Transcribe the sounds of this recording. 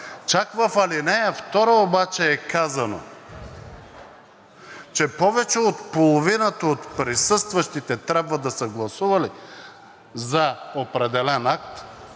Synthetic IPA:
t͡ʃakvɐfɐlinɛəft̪ɔɾəobat͡ʃɛːkazɐno̰ | t͡ʃɛpɔvɛt͡ʃɛot̪polˠovinət̪əot̪pɾisɤst̪vɐʃt̪it̪ɛt̪ɾʲabvɐd̪ɐsəɡlˠɐsuvɐli | zɐopɾɛd̪ɛlɛnak̚t̪

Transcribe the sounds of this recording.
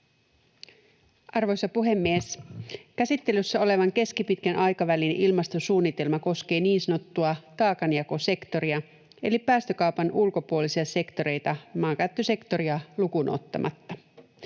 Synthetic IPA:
ʔɑrʋo̞jsɑpuɦe̞mːieskæsit̪ːe̞lysːæo̞le̞ʋɑŋk̟e̞skipit̪kænʔɑjkɑʋælinʔilmɑst̪osuːnːit̪e̞lmɑko̞ske̞ːniːnsɑno̞t̪ːuɑt̪ɑːkɑnjɑko̞se̞kt̪o̞ɾiɑ | e̞lipæːst̪ø̞kɑupɑnʔulkopuolisiɑse̞kt̪o̞ɾe̞jt̪ɑmɑːkæt̪ːøse̞kt̪o̞ɾiɑlukunʔo̰t̪ːɑ̰mʔɑ̰t̪ːɑ

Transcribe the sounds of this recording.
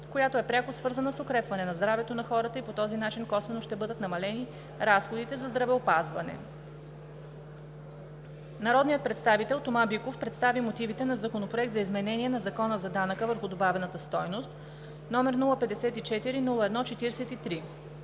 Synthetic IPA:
kojat̪oɛpɾʲakosvɤɾzənəsokɾɛpvɐnɛnɐzd̪ɾavɛt̪onɐxɔɾət̪əipot̪ɔzinat͡ʃinkɔsvɛnoʃt̪ɛbɤd̪ət̪nɐmɐlɛni | ɾasxod̪it̪ɛzɐzd̪ɾɐvɛopazvɐ̰nɛ̰ | nɐɾɔd̪nijət̪̚pɾɛt̪st̪avit̪ɛlˠt̪omabikofpɾɛt̪st̪avimot̪ivit̪ɛnɐzɐkonopɾoɛk̚t̪zɐizmɛnɛniɛnɐzɐkɔnəzɐd̪anəkəvəɾxʊd̪obavɛnət̪əst̪ɔjnost̪ | nɔmɛɾnulˠəpɛd̪ɛsɛt̪it͡ʃɛt̪iɾinulˠəɛd̪nɔt͡ʃɛt̪iɾsɛt̪it̪ɾi

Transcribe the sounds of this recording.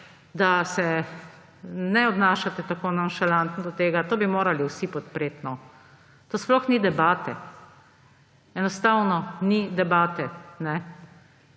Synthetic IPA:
d̪asɛ | nɛɔbnaːʃat̪ɛt̪akoːnanʃalant̪nd̪ɔt̪eːɡat̪oːbimoːɾaliwsipɔt̪pɾeːt̪nɔ | t̪oːsplɔxnid̪ɛbaːt̪ɛ | ɛnɔst̪awnɔnid̪ɛbaːt̪ɛnɛ

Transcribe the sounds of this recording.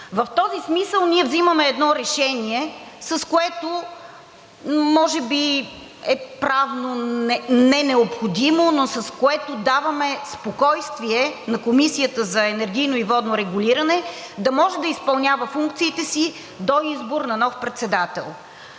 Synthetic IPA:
vɐft̪ɔzismisəlˠniɛvziməmɛːd̪nɔɾɛʃɛniɛsɐskoɛt̪o | mɔʒɛbi | ɛpɾavnonɛnɛnɛopxod̪imonosɐskoɛt̪od̪avɐmɛspokɔjst̪viɛnɐkomisijət̪əzɐɛnɛɾɡʲijnoivɔd̪noɾɛɡuliɾɐnɛ | d̪ɐmɔʒɛd̪ɐispɐlˠnʲavəfuŋkt̪siːt̪ɛsi | d̪oizboɾnɐnɔfpɾɛt̪sɛd̪at̪ɛ̰lˠ

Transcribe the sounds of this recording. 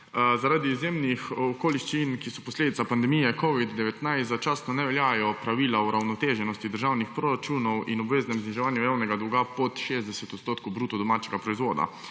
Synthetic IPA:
zaɾaːd̪iːzjemnixɔkoːliʃt͡ʃinkisɔpɔsleːd̪it̪sapand̪ɛmijɛkɔʋid̪ːɛʋɛt̪najst̪zat͡ʃaːst̪nɔnɛʋɛljaːjɔpɾaʋiːlauɾawnɔt̪eʒɛnɔst̪id̪əɾʒaːwnixpɾoɾat͡ʃunɔwinɔbʋeːznɛmzniʒɛʋaːnjujaːwnɛɡad̪ɔwɡapɔt̪ʃezd̪ɛsɛt̪ɔt̪st̪oːt̪kowbɾuːt̪ɔd̪ɔmaːt͡ʃɛɡapɾɔizʋoːd̪a̰

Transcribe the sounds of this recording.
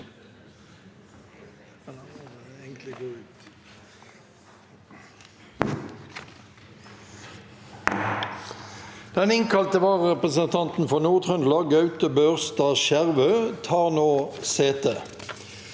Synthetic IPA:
d̪̥ɛnɪŋkʰɑlt̪əʋɑːʁəʁɛpʁəsənt̪ʰɑnt̪n̩fɔʁnuːʁt̪ʰʁœnlɑɡɑʉt̪əbøːʁst̪ɑːʃæʁʋøːt̪ʰɑːʁnoːseːt̪ʰeː

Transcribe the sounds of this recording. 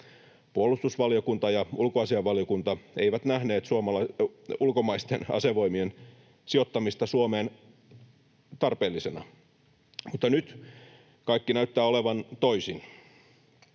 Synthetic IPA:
puolːˑust̪usʋɑljokunt̪ɑjɑulkoɑsiɑʋːɑljokunt̪ɑeiʋæt̪næhne̞ːt̪suomɑlɑulkomɑist̪enɑ̰se̞ʋo̞imien | sio̞t̪ːɑmist̪ɑsuomeːn | t̪ɑrpeːlːisenɑ̰ | mut̪ːɑnyt̪ | kɑikːinæyt̪ːæːoleʋɑnt̪oisin

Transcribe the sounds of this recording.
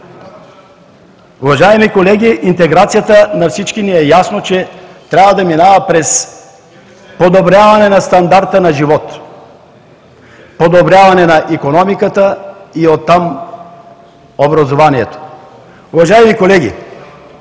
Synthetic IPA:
uvaʒaɛmikolɛɡʲiʔint̪ɛɡɾat̪sijat̪ənafsit͡ʃkiniɛjasnot͡ʃɛt̪ɾʲavɐd̪ɐminavɐpɾɛs | pod̪obɾjavanɛnast̪and̪aɾt̪ənaʒivɔt̪ | pod̪obɾʲjavanɛnaʔikonɔmikat̪əiot̪ːam | obɾɐzovaniɛt̪o̥ | uvaʒaɛmikolɛɡʲḭ

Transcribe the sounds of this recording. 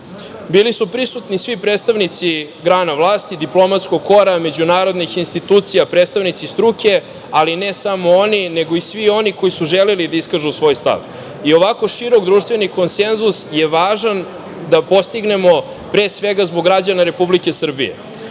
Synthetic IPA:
biːlisupɾisut̪nisʋipɾet̪st̪aʋnit̪siɡɾaːnavlˠaːst̪id̪iplˠo̞mat̪skoɡ̚ko̞ɾame̞d͡ʑunaːɾo̞d̪nixinst̪it̪uːt̪sijapɾed̪st̪aʋnit̪sist̪ɾuke̞ | alinesamoonine̞ɡo̞isʋio̞niko̞jisuʒelelid̪aiskaʒusʋo̞ːjst̪a̰ʋ | io̞ʋako̞ʃiɾo̞ɡd̪ɾuːʃt̪ʋeniko̞nse̞nzusjeʋaːʒan | d̪apo̞st̪iɡne̞mo̞ | pɾeːsʋeɡazboɡːɾad͡ʑanaɾe̞publike̞sr̩bḭjḛ

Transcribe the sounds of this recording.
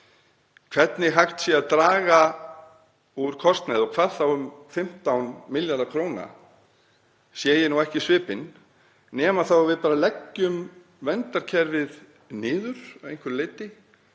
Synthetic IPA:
kʰv̥ɛt̪nɪɦajxt̪sjɛaðt̪ɾaːɣa | uɾ̥kʰɔst̪nɛðɔkʰv̥aːɾ̥θawʏmfɪm̥t̪awnmɪljaɾðakʰɾoːwna̰ | sjɛːjɪnuɛhcɪsvɪːpɪnː | ɛːmaθawavɪðpaːɾalɛcːʏm | vɛnt̪aɾ̥cʰɛɾvɪð | nɪːðʏɾ̥aejŋ̥kʰʏɾlɪːt̪ɪ

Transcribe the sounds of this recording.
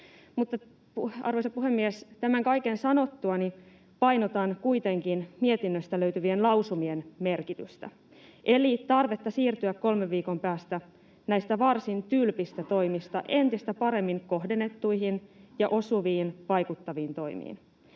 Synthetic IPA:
mut̪ːɑ | puɑ̰rʋojsɑpuɦe̞mːiest̪æmæŋkɑjkensɑno̞t̪ːuɑni | pɑjnot̪ɑnkuit̪e̞ŋkinmiet̪inːøst̪æløɥt̪yʋienlɑwsumienme̞rkit̪yst̪æ̰ | ʔe̞lit̪ɑrʋe̞t̪ːɑsiːrt̪yækko̞lmeʋːiːko̞mpæːst̪æ | næjst̪æʋɑrsint̪ylpist̪æt̪o̞jmist̪ɑʔe̞nt̪ist̪æpɑɾe̞mːiŋko̞hde̞nːe̞t̪ːuihinjɑʔo̞suʋiːnʋɑjkut̪ːɑʋiːnt̪o̞jmḭːn

